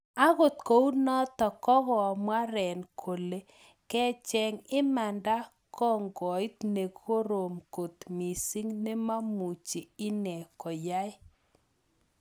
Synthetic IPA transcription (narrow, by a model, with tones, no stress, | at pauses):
a˦ɣo˨t̪ko˨˦wnɔ˦t̪ɔ˨kɔ˦ɣɔ˨mwa˦ɾɛ˨nkʰo˨le˦ | kɛ˦t͡ʃɛ˨ŋɪ˦ma˨nda˦ | kɔ˦ŋɡɔ˨i˦t̪ne˨ko˦ɾo˨mko˨t̪mi˨si˦ŋne˦ma˦mu˨t͡ʃi˨ɪ˦nɛ˨kɔ˨ja˦ɪ˦